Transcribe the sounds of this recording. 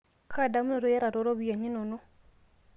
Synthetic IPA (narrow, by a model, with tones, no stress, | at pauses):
kʰa˦˨da˨˦mu˦ɔ˨ɾo˦ja˦ɾa˨ɾo˨˦ɾo˦βi˨ja˨ɲi˦no˨no˦